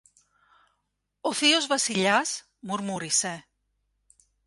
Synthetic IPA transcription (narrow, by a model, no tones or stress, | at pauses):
oθiozβasiʎas | muɾmuɾise